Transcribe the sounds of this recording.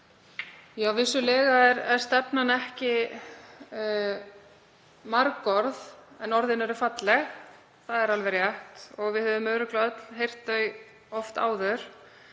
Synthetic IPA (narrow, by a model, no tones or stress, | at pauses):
jawvɪsːʏlɛːɣaɛɾɛɾ̥st̪ɛpnanɛhcɪ | maɾkɔɾðɛnɔɾðɪnɛɾʏfat̪lɛx | θaðɛɾalvɛɾjaht̪ɔɣvɪðhœːvðʏmœːɥɾʏklœt̪l̥ɦejr̥t̪œɥ | ɔft̪a̰ːwðœɾ̥